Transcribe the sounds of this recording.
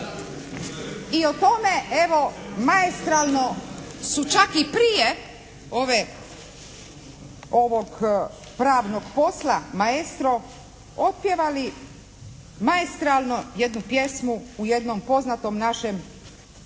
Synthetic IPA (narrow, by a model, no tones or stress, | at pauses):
iot̪o̞me̞ʔeʋo̞maest̪ɾalˠnosut͡ʃakipɾije | oʋe | o̞ʋo̞ɡ | pɾaːʋno̞ɡpo̞slamaest̪ɾo | o̞t̪̚pjeʋali | maest̪ɾalˠnojed̪nupje̞smuːje̞d̪nompo̞znat̪o̞mnaʃe̞m